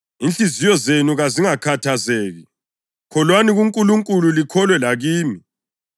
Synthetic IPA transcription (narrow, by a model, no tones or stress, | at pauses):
inɬizijɔzenuɣaziŋakʰatʰazeːɣi | kʰɔlwaniɣuŋkʼuluŋkʼululikʰɔlwɛlaɣiːmi